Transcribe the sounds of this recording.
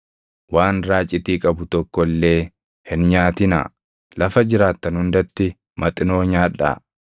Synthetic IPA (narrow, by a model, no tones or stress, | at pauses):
waːnɾaːt͡ʃʼːɪt̪iːkʼɐbʊt̪ɔkːɔlːe̞ː | hɪnɲaːt̪ɪna̰ː | lɐfɐd͡ʒɪɾaːt̪ːɐnhʊnd̪ɐt̪ːɪ | mɐt̪ʼɪno̞ːɲaːᶑːa̰ː